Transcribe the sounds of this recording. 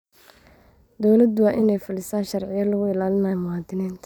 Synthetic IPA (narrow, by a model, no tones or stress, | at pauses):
d̪ɔwlɐd̪ʊwaʔɪnɛjfʊlɪsaːnʃɐrʕɪjɐlʊɣʊɪlaːlɪnaːjmʊaːd̪ɪniːnt̪ʰ